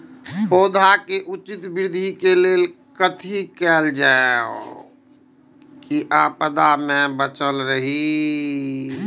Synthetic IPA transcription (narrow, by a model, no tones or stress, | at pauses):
poːd̪ʱakeʔut͡ʃit̪bɪɾd̪ʱikeleːl | kət̪ʰikɛːld͡ʒaeo̰ | kiʔaːpəd̪amẽbət͡ʃəlɾəɦi